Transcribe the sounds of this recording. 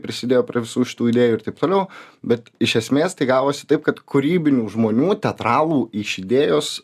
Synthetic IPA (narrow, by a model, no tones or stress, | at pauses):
pʲɾʲɪsʲɪd̪ʲeːjoːpʲɾʲeʋʲɪsuːʃʲɪ̥t̪uːɪd̪ʲeːjuːɪɾt̪ɐɪp̚t̪oːlʲɛʊbʲɛt̪ɪʃʲɛsʲmʲeːst̪ɐɪɡɑːʋoːsʲɪ̥t̪ɐɪp̚kɐt̪kʊɾʲiːbʲɪnʲuːʒmoːnʲuːt̪ʲɛt̪ɾɑːlˠuːɪʃʲɪd̪ʲeːjoːs